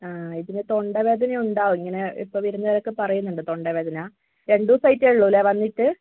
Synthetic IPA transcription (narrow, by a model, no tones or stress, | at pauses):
aːiðinɨt̪o̞ɳɖɐʋe̞ːd̪ʱɐnɐjuɳɖaːʋuiŋːɐne̞ḭpːoːʋiɾunːɐʋiɾɐkːɨpɐrɐjunːuɳɖɨt̪o̞ɳɖɐʋe̞ːd̪ʱɐnɐaː | ɾe̞ɳɖuːsɐjtːeɭːulːeʋɐnːiʈːɨ